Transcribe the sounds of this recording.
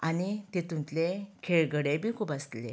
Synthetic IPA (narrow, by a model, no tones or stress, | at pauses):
anit̪et̪ũnt̪lekʰeɭɡəɽẽbʱiːkʰuːpast̪le